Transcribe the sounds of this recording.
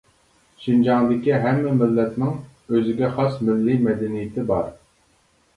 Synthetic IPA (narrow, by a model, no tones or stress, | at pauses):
ʃind͡ʒɑŋd̪ɪkʲiɦɛmːɛmɪlːɛt̪nɪŋøzɪɡʲɛχɑsmɪlːimɛd̪ɛnijɪt̪ʰɪbɑɾ